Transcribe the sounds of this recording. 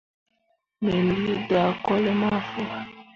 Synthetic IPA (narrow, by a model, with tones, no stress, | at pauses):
mɛ˨n˨˦i˦da˨kɔ˦lɛ˦ma˦˨fu˦a˨